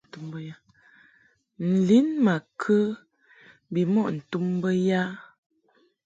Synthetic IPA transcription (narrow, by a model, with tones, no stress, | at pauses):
tu˦mbə˦ja˦ | n̩˨li˦nma˨kʰə˦ | bi˨mɔ˦ʔn̩˨tu˦mbə˦ja˦